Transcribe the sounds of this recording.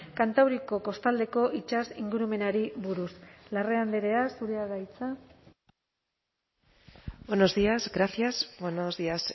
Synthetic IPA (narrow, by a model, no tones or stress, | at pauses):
kant̪awɾiko̞ko̞st̪ald̪e̞ko̞ʔit͡ʃasiŋɡuɾume̞naɾiβuɾuslare̞and̪eɾe̞asuɾeaɣajt͡sa | beno̞zðiazɡɾaθjazbwenozðias